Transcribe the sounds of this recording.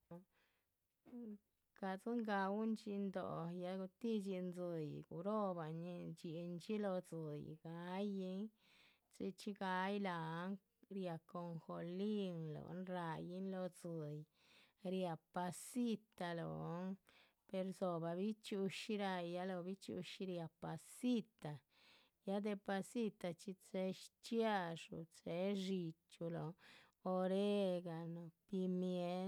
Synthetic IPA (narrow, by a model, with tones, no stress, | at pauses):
ka˧˨t͡sɨ˦ŋɡa˧wu˦nt͡ʃi˧nd̪o̰˨ja˧ɡu˧t̪i˦d͡ʒi˧nzɨ˨˧jɡṵ˨ɾo˦ba˨ni˧t͡ʃi˧nt͡ʃi˦lo˧d͡zɨ˨jɡ̥a˧˦ji˦ŋ | t͡si˧t͡ʃi˦ɡa˧jla˨˦ŋ | ɾja˨ko˧ŋxo˧li˦ŋlo̰˨˦nɾa˧ji˦nlo˧d͡zɨ˨j | ɾja˧pa˧si˦t̪a˧lo̰˨˦n | pe˧ɾzo˨ba˨bi˦t͡ʃu˧ʃi˦ɾa˧jːa˦lo˧bi˦t͡ʃṵ˧ʃɾja˨˧pa˧si˦t̪a˨ | ja˦d̪e˧pa˧si˦t̪a˧t͡ʃi˧t͡se˧˦ʃt͡ʃja˦˧ʂṵ˨t͡se˨˦ʃi˧t͡ʃu˧lo˨ | o˧ɾe˦ɡa˨no˨pi˧mje˧˦